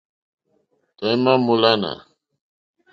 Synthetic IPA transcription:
t̪ojmamulana̰

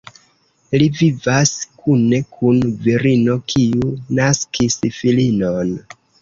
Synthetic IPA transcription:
livivaskune̞kʰunviɾino̞kʰiunaskisfilino̞n

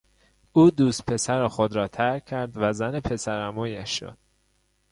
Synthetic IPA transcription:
ʔuːd̪uːst̪̚pʰe̞sæɾexod̪ɾɒːt̪ʰæɾʲʰæɾd̪væzænepʰe̞sæɾæmuːjæʃːo̰d̪̥

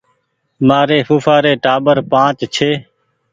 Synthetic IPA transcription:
maːɾeːfuːfaːɾeːʈaːɓəɾpãːt͡ʃt͡ʃʰeː

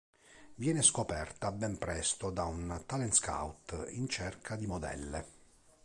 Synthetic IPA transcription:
vjɛːneskopɛrt̪abɛmpɾɛst̪od̪aunt̪alɛnska̰wt̪ḭnt͡ʃɛrkʰad̪imod̪ɛ̰lːḛ

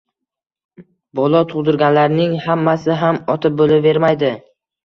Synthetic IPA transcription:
bɒlˠɒt̪ʰʊʁd̪ʊɾɡʲanlaɾnɪŋhamːasɪɦamɒt̪ʰɪp̚bolɪve̞ɾmajd̪ɪ

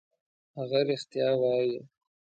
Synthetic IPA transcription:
haɣaɾɪxt̪jɑːwɑje

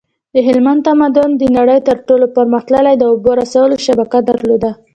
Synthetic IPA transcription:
d̪əɦɪlmand̪t̪amad̪ʊnd̪ənaɽəjt̪əɾʈolopəɾməxt̪ləlajd̪əoboɾasawəloʃabakad̪aɾlod̪a

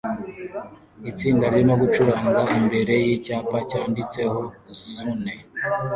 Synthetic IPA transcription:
it͡siːndaɾjimoɡut͡ʃuɾaːŋɡaimbe̞ɾe̞jicaːpacaːndit͡se̞ho̞zune̞

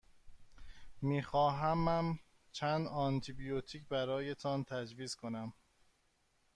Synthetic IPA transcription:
miːxɒːɦæmːæm | t͡ʃʰænd̪ɒnt̪ʰibijot̪ʰiːcbæɾɒːjet̪ʰɒnt̪ʰæd͡ʒviːz̥kʰo̞næm

